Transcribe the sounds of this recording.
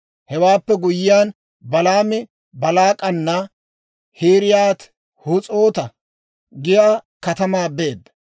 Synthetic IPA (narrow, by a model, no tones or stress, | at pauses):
hɛwaːpːɛɡʊjɪjaːn | bɐlaːmɪ | bɐlaːkʼɐnːɐ | hiːɾɪjaːt̪ | hʊt͡sʼo̞ːt̪ɐ | ɡɪjaːkɐt̪ɐmaːbe̞ːd̪ːɐ̥